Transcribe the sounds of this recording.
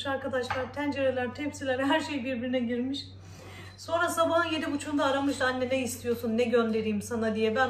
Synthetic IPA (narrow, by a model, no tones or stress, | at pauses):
ʃaɾkad̪aʃlˠaɾt̪ʰænd͡ʒeɾelʲæɾt̪ʰɛpsilʲæɾɦæɾʃe̞jibiɾbiɾinɛɟiɾmiʃ | so̞nɾasabaɦɯnje̞d̪ibut͡ʃʰund̪aːɾamɯʃd̪anʲːɛnɛist̪ʰijo̞sunːɛɟønd̪e̞ɾiːmsanad̪ijɛbæn